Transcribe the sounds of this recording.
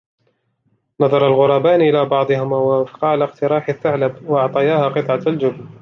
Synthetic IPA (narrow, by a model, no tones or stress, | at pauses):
nɑðˤɑɾˤɑlɣʊɾˤɑːbaːnʔɪlaːbɑʕd̪ˤɨɦʊmawafqɑːlaqt̪ɪɾˤɑːħɪθːaʕlabwɑʔɑʕt̪ˤɑjaːhaːqɨt̪ˤʕɑald͡ʒʊbl